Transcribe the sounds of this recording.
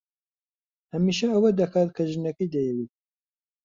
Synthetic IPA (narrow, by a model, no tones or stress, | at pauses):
hɐmiʃɐɐwɐd̪ɐkʰaːt̪̚kʰɐʒɨnɐkɐjd̪ɐjɛwit̪̚